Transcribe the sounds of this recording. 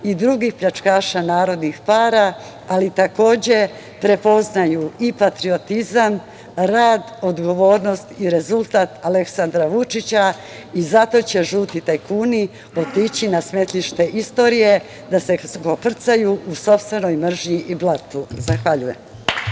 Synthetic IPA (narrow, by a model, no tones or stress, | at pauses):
id̪ɾuɡixpʎat͡ʃkaːʃanaːɾo̞d̪nixpaːɾa | alit̪ako̞ːd͡ʑe̞ | pɾe̞po̞znajuipat̪ɾio̞t̪izam | ɾaːd̪o̞d̪ɡo̞ʋo̞ːɾno̞st̪iɾe̞zulˠt̪aːt̪ale̞ksand̪ɾaʋut͡ʃit͡ɕa | izat̪o̞t͡ɕe̞ʒuːt̪it̪ejkuːni | o̞t̪it͡ɕinasme̞t̪liʃt̪e̞ʔist̪o̞ɾije̞ | d̪ase̞ɡo̞pr̩t̪sajuʔuso̞pst̪ʋe̞no̞jmr̩ʒɲiʔiblˠat̪uzaxʋaʎuje̞m